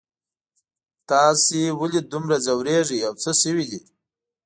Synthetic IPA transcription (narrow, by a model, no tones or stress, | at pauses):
t̪ɑːsiwəlid̪umɾazawɾeʐiawt͡səsəwid̪i